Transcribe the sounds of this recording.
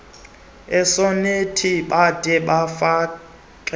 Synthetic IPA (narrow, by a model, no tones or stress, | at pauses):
ɛsɔnetʰiɓad̥ʱʼɛɓafaː | kʼɛ